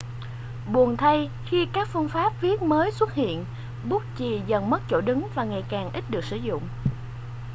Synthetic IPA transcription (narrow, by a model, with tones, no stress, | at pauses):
ɓu˨˩ənt̪ʰa˧j | xi˧kaː˦˥k̚fɨ˧əŋfaː˦˥p̚vi˦˥ət̚məː˨˦jswə˦˥t̚hḭ˧˨ən | ɓu˦˥t̚t͡ɕi˨˩zə˨˩nmə˦˥t̚t͡ɕo̰˧˩ɗɨ˨˦ŋvaː˨˩ŋa˨˩jkaː˨˩ŋʔi˦˥t̟̚ɗɨ˨˩ək̚sɨ̰˧˩zʊ̰˧˨ŋ͡m